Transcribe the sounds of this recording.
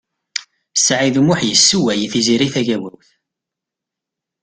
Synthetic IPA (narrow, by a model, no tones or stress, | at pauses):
saʕiðumʊħjəsːuwæjθiziɾiθæʝæwæwθ